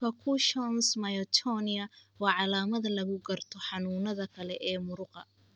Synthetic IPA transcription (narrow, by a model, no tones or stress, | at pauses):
ɐkʰuʃɔnsmɐjɔt̪ʰɔnɪɐwɑːʕɑlaːmɐðɐlɐɣʊɡɐrt̪ʰɔħɑnuːnɐðɐkʰɐlɛʔɛːmʊɾʊqɑ